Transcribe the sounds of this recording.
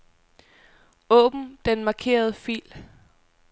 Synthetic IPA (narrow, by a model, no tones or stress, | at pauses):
ɔ̰̽ːb̥m̩d̥enmɑ̈kʰe̝̰ːɐð̞ˠəfḭːl